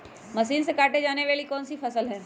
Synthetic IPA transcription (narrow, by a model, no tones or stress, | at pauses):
mɐsiːnsekaːʈed͡ʒaːneʋaːlikɔːnsifɐsəlɦɛː